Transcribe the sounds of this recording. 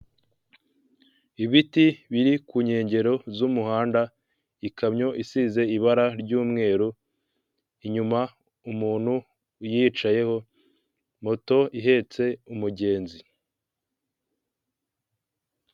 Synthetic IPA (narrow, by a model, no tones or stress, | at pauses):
iβitiβiɾikuɲe̞ːɲɟe̞ɾo̞zumuɦaːnda | ikʰamɲo̞ʔisize̞iβaɾaɾɟuːmŋe̞ːɾu | iɲuma | umuːnhu | jiːt͡ʃaje̞ho̞ | mo̞to̞iɦe̞ːt͡se̞umuɟe̞ːnzi